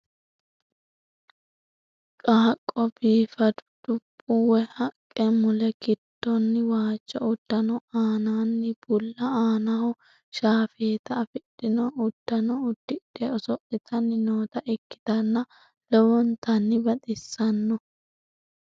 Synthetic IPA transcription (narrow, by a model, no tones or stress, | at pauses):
kʼaːkʼːɔbiːfɐd̪ʊ̥d̪̥ʊpʼːʊwɛhɐkʼːɛmʊlɛɡɪt̪ːɔnːɪwaːt͡ʃːɔʊd̪̥ːɐnɔaːnaːnːɪb̥ʊlːɐaːnɐʊ | ʃaːfeːt̪ɐːfɪɗːɪnɔʔʊd̪̥ːɐnɔʊd̪̥ːɪᶑeɔsɔʔɪt̪ʰɐnːɪnoːt̪ɐʔɛkːɪ̥t̪ɐnːɐ | lɔwɔnt̪ɐnːɪbɐt̪ʼɪsːɐnːɔ